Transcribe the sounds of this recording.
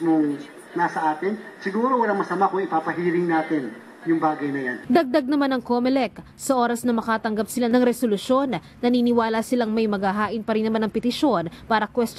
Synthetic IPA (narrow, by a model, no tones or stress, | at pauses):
moŋ | nasɐʔaːt̪ɪnsɪɡuːɾowɐlaŋmɐsɐmakʊŋɪpaːpɐɦiːɾɪŋnaːt̪ɪn | jʊŋbaːɡɐjnɐjand̪ɐɡ̚d̪ɐɡ̚nɐmanɐŋkomɛlɛk | sɐʔo̞ːɾɐsnɐmɐkaːt̪ɐŋɡap̚sɪlanɐŋɾɛsolʊsjo̞nːɐniːnɪwaːlɐsɪlaŋmɐjmɐɡaɦaːʔɪnpɐɾɪnːɐmanɐŋpɛt̪ɪʃo̞npaːɾɐkwɛst